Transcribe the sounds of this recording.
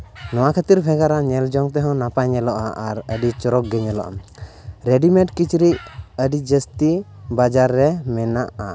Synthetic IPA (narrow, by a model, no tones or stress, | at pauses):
nɔwakʰət̪iɾbʱɛɡaɾaɲɛld͡ʒɔŋt̪ɛɦɔ̃napaɲɛlɔʔaʔaɾəɖit͡ʃɔɾɔk̚ɡɛɲɛlɔ̰ʔa̰ɾɛɖimɛʈkit͡ʃɾic̚əɖid͡ʒəst̪i | bad͡ʒaɾːɛmɛnaʔa̰